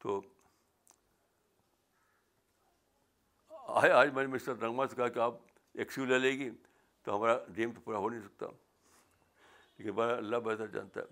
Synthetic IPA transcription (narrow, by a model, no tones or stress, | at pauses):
t̪oː | a̰ːaːd͡ʒmɛ̃ːnemɪsɐɾɾɐ̃ŋɡmaːsekɐɦakiaːp̚ | eksiulelẽːɡi | t̪oɦɐmaːɾaɖeːmt̪opuːɾaɦonɐɦĩsɐk̚t̪a̰ | leːkɪnbaɾɐlːabɐɦt̪əɾd͡ʒa̰ːnt̪a̰ɦɛ̰ː